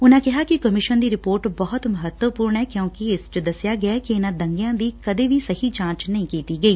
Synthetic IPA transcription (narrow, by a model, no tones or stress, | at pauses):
ʊnãːkɪɦaːkɪkəmɪʃənd̪iːɾɪpoːɾʈbɔːʊt̪məɦət̪wəpuːɾɳɛːkjõːkiɪst͡ʃəd̪əsɪjaːɡɪaːkiɪnãːd̪əŋɡjãːd̪iːkəd̪eːʋiːsəhiːt͡ʃãːt͡ʃnəɦĩːkiːt̪iːɡəiː